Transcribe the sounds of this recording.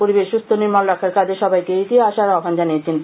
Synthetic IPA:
poɾibeʃːust̪ʰoniɾmalɾakʰaɾkad͡ʑeʃɔbajkeet̪ieaʃaɾɔkand͡ʑanijet͡ɕʰen

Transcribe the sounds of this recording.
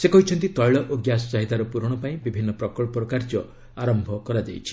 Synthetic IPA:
sekɔɦit͡ʃʰɔnt̪it̪ɔjɭɔʔoɡjasɔ̥t͡ʃaɦit̪aɾɔpuɾɔɽ̃ɔpaĩbibʱinːɔpɾɔkɔɭpɔɾɔkaɾd͡ʒɔ | aɾɔmbʱɔkɔɾad͡ʒ̪ḛjt͡ʃʰi̥

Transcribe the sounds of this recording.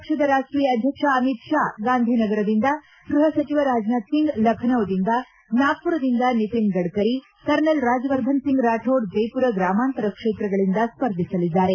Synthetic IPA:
pɐkʂɐd̪ɐɾaːʂʈɾijɐɐd̪ʱjɐkʂɐɐmit̪ʂaːɡaːnd̪ʱinɐɡɐɾɐd̪ind̪ɐ | ɡɾuɦɐsɐt͡ʃiʋɐɾaːd͡ʒnaːt̪siŋɡlɐkʰɐnɐʋɐd̪ind̪ɐ | naːpuɾɐd̪ind̪ɐnit̪iŋɡɐɽkɐɾi | kɐɾnɐlɾaːd͡ʒɐʋɐɾd̪ʱɐnsiŋɡɾaːʈʰoːɾd͡ʒɐjpuɾɐɡɾaːmaːnt̪ɐɾɐkʂeːt̪ɾɐɡɐɭind̪ɐspɐɾd̪ʱisɐlid̪ːaːɾe̞

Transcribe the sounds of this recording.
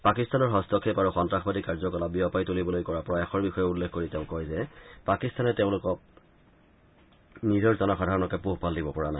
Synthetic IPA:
pakistanɔɹɦɔstɔkʰːepaɹuxɔntɹaxbadikaɹzɔkɔlabiɔpajtulibɔlojkɔɹapɔɹɔjaxɔɹbixɔjɛulːekʰkoɹiteʊ̃kɔjzɛpakistanɛteʊ̃lʊkɔk̚ | nizɔɹzɔnɔxadʱaɹɔnɔkɛpuɦpaldibɔpɔɹanaj

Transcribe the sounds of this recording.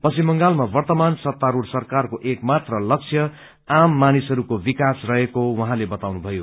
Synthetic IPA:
pʌsimʌŋɡalmabʌrt̪ʌmansʌt̪ːaɾursʌrkarkoʔekmat̪rʌlʌkt͡sʰjʌ | amːanisʌɾukobikasrʌɦekowʌɦãlebʌt̪awnubʱʌjo

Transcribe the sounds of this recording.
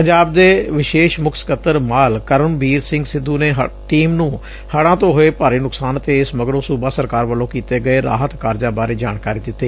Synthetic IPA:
pəɲd͡ʒaːb̚d̪eːʋɪʃeːʃmʊkʰsə̥kət̪ːəɾmaːlkəɾənbiːɾsɪ̃ŋɡsɪd̪ːuːneːɦʈiːmnũː | həɽãːt̪õːɦoeːpaːɾiːnʊksaːnət̪eːɪsməɡɾõːsuːbaːsəɾkaːɾʋəlõːkiːt̪eːɡəeːɾa̰ːɦət̪kaːɾd͡ʒãːbaːɾeːd͡ʒaːɳkaːɾiːd̪ɪt̪ːeː

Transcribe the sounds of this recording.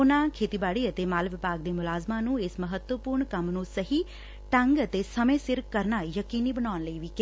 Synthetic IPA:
ʊnãːkʰeːt̪iːbaːɽiːət̪eːmaːlʋɪpaːɡ̚d̪eːmʊlaːzmãːnũːɪsməɦət̪wəpʊːɾɳkəmnũːsəɦiː | ʈə̃ŋɡət̪eːsəmẽːsɪɾkəɾnaːjəkiːniːbənaːnləiːʋiːke

